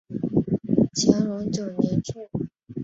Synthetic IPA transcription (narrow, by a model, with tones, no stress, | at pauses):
t͡ɕʰjɑ˧˥ŋɻʊ˧˥ŋt͡ɕjo˨˩ʊnjɛ˧˥nt͡ɕʰɛ˥˩